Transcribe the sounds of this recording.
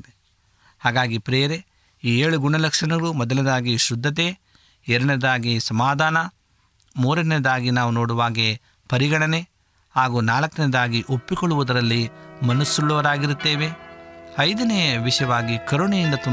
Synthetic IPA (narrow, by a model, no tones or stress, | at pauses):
e | haːɡaːɡipɾeːɾe | iːeːɭuɡuɳɐlɐkʂɐɳɐɡɐɾumɔd̪ɐlɐd̪aːɡiʃud̪ʱːɐt̪̬eː | ɛɾɐɳed̪aːɡisɐmaːd̪ʱaːnɐ | muːɾɐned̪aːɡinaːʋuno̞ːɽuʋaːɡe | pɐɾiɡɐɽɐne | haːɡuːnaːlɐkːɐned̪aːɡiʔopːikoɭːuʋud̪ɐɾɐlːimɐnɐsːuɭːɐʋɐɾaːɡiɾut̪ːeːʋe̞ɐjd̪ɐnejɐʋiʂɐjɐʋaːɡikɐɾoɳɐjind̪ɐt̪u